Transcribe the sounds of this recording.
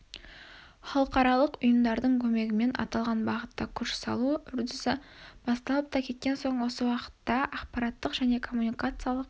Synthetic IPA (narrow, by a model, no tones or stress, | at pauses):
χɑlˠəqɑɾɑlˠəqʊjəmd̪ɑɾd̪əɴkʲʰɵme̞ɡʲɪme̞nʔɑ̰t̪ɑlˠʁɑnbɑʁət̪ːɑkʲʰʏɾʃsɑ̰lˠuʏɾd̪ɪsɪb̥ɑst̪ɑlˠəp̚t̪ɑkʲʰe̞t̪̚kʲe̞nso̞ɴwo̞səwɑqə̥t̪ːɑʔɑqpɑɾɑt̪ːəqʒ̥æne̞kʰo̞mːunikat̪sɨjalˠəq